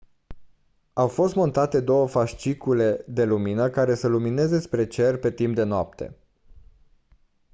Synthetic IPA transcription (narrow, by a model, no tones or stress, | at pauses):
awfo̞st̪mo̞nt̪at̪e̞d̪o̞wəfaʃt͡ʃikule̞d̪e̞luminəkaɾe̞səlumine̞ze̞spɾe̞t͡ʃe̞rpe̞t̪impd̪e̞noa̰p̚t̪ʰe̞̰